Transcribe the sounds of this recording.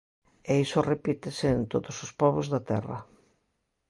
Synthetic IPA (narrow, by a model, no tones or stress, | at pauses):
eisorepit̪eseːnt̪oðosospɔβozðɐt̪ɛ̰rɐ̰